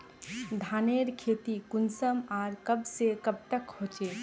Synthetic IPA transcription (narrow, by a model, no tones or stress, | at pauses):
d̪ʱaːneːɾkʰeːt̪ikʊnsəmaːɾkəbsekəb̚t̪əkhoːt͡ʃeː